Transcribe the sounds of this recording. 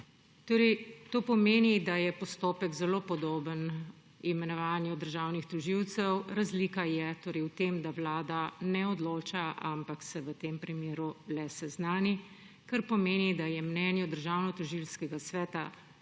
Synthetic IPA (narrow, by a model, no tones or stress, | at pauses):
t̪oːɾɛt̪oːpɔmeːnid̪ajɛpɔst̪oːpəɡzɛloːpɔd̪oːbən | imɛnɔʋaːnjud̪əɾʒaːwnixt̪uʒiwt̪sɛwɾazliːkajɛt̪oːɾɛjwt̪emd̪aʋlaːd̪anɛɔd̪loːt͡ʃaʔampaksɛʋət̪eːmpɾimjeːɾulɛsɛznaːni | kaɾpɔmeːnid̪ajɛmnɛːnjɛd̪əɾʒaːwnɔt̪ɔʒilskɛɡasʋɛːt̪a